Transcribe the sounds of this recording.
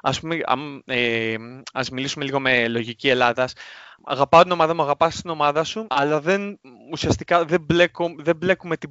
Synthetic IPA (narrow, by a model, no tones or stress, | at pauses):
ɐspumeɐ̰me | ɐzmilisume̞liɣo̞me̞lo̞ʝicie̞lɐðɐsɐ̰ɣɐpɐot̪ino̞mɐðɐmuɐɣɐpɐsst̪ino̞mɐðɐsuɐlɐðe̞nusiɐst̪ikɐðe̞ble̞koðe̞ble̞kume̞t̪i